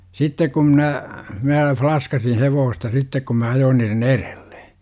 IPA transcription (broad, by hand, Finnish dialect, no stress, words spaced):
sitːek kum mnæ mæː flɑskɑsin heʋoːstɑ sitːek kum mæ ɑjoːn niːren erel̥ːe̥